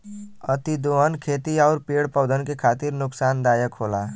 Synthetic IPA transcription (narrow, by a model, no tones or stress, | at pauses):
ət̪id̪oənkʰeːt̪iaʊɾpeɽpəʊd̪ʱənkekʰaːt̪iɾnʊksaːnd̪aːjəkɦola